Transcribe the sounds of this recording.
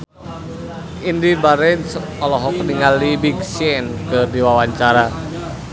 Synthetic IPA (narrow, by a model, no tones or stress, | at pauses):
ʔindibaɾɛns | ɔlɔɦɔkəniŋalːibiksiɛnkɨrdiwawaɲt͡ʃaɾa